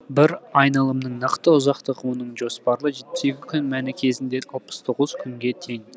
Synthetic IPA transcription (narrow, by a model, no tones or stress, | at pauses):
bɪɾɑjnɑlˠəmnəɴnɑqt̪əʊzɑqt̪əʁwo̞nəɴʒo̞spɑɾlˠəʒe̞t̪̚pɪ̥se̞kʲɪkʲʰʏnmænɪkʲʰe̞zɪnd̪e̞ɑlˠpə̥z̥t̪ʰo̞ʁəz̥kʲʰʏŋɡʲe̞t̪ʰe̞ŋ